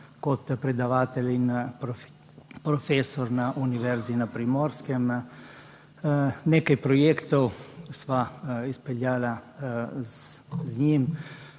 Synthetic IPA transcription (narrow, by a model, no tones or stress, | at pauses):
kɔt̪pɾɛd̪aʋaːt̪ɛlin | pɾɔfesɔɾnaʔuniʋɛɾzinapɾimɔɾskɛm | nekajpɾɔjekt̪ɔwsʋaispɛljaːla | zɲim